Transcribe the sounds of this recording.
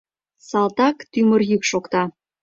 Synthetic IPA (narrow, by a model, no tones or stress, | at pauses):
sɑlt̪ɑkt̪ymə̆rjykʃokt̪ɑ